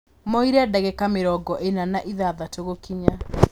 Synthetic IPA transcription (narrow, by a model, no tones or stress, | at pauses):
mɔiɾeadaɣɛkameɾɔɡɔʔenanaʔiðaðatoɣokiɲa